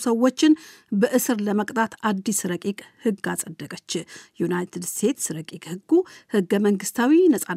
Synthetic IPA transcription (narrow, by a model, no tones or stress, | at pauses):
səwːo̞t͡ʃːɪnbəʔɨsɨɾləməkʼt̪ʼʰat̪ad̪ːisɾəkʼikʼhɨɡːasʼəd̪ːəkʼət͡ʃːɪjunajt̪ʰɨd̪st̪ʰe̞t̪sɾəkʼikʼhɨɡːuhɨɡːəməŋɡɨst̪ʰawinəsʼa